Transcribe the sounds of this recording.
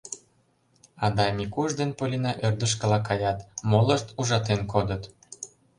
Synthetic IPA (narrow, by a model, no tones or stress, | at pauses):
ɑd̪ɑmʲikuʒd̪enpolʲinɑʔørd̪ə̆ʃ̬kə̆lɑkɑjɑt̪moləʃt̪uʒɑt̪enkod̪ət̪